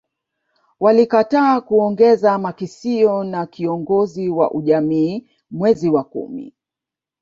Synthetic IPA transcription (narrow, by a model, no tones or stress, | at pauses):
walikataːkuɔŋɡɛzamakisiɔnakiɔŋɡɔziwa̰ʔuʄamiː | mwɛziwakṵmḭ